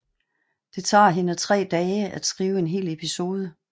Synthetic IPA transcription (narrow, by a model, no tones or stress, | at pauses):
d̥e̝t͡sʰɑ̰̈ːɦe̝nət͡sʰʁɛ̰ːd̥ɛːəʔæd̥sɡ̥ʁiːʊe̝nɦe̝̰ːle̝pʰiso̝ːð̞ˠə